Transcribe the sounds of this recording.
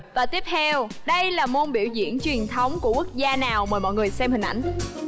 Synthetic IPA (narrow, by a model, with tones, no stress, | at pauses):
vaː˨˩t̪i˦˥əp̚t̪ʰɛ˧w | ɗə˧jlaː˨˩mo˧nɓi˧˩əwzḭ˧˨˥ənt͡ɕwi˨˩ənt̪ʰə˨˦wŋ͡mku˧˩əku˦˥ək̚zaː˧naː˨˩wməː˨˩jmɔ̰˧˨jŋɨ˨˩əjsɛ˧mhï˨˩ʔa̰˧˩jŋ̟